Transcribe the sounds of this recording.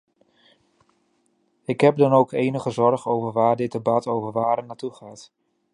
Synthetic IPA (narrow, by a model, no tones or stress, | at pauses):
ɪkɦɛp̚dɑnowkʰejnəχəzɔɹχowvəɹʋaːɹdɪt̚dəbɑtowvəɹʋaːɾənaːtuχaːt